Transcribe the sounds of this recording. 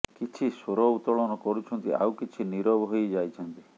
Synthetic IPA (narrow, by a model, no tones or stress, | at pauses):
kit͡ʃʰisoɾɔut̪ɔɭɔnɔkɔɾut͡ʃʰɔnt̪ia̰wkit͡ʃʰiniɾɔbɔɦojd͡ʒajt͡ʃʰɔnt̪i